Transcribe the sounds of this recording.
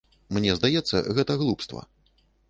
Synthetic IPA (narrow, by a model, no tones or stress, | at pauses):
mnʲɛzd̪ajɛt̪sːɐ̰ɣɛt̪ɐɣlˠupst̪vɐ̰